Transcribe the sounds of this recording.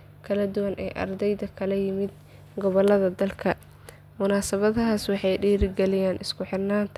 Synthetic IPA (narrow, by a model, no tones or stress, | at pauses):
kʰɐlɐd̪ʊwɐnʔɛ̰ːʔɐ̰rd̪ɛjðɐkʰɐlɐjɪmɪd̪ | ɡɔβɔlɐðɐd̪ɐlkʰɐ | mʊnaːsɐβɐðɐɦaːswɑħɑjɖiːɾɪɡɛlɪjaːnʔɪskʰʊħɪrnaːnt̪ʰ